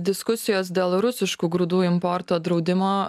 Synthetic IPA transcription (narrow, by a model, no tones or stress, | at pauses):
d̪ʲɪskʊsʲɪjoːs̬d̪ʲeːlˠɾʊsʲɪʃkuːɡɾʊd̪uːɪmpɔɾt̪oːd̪ɾɒʊd̪ʲɪmoː